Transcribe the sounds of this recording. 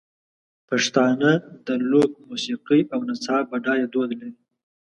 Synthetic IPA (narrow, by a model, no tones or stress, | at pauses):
paʂt̪ɑnad̪əlok̚musiqiawnat͡sɑbaɖɑjed̪wod̪laɾi